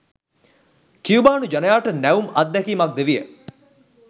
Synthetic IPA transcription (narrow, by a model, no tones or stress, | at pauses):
kiubaːnud͡ʒanəjaːʈənæʋumɐt̪̚d̪ɛkiːmak̚d̪eʋijə